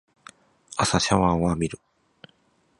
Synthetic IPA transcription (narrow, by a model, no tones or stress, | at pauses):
asaɕaβãɰ̃βamʲiɾɯ̟